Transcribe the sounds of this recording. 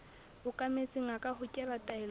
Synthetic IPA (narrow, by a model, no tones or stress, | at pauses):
hʊkʼamet͡sʼɪŋ̩akʼahʊkʼɛratʼaɪl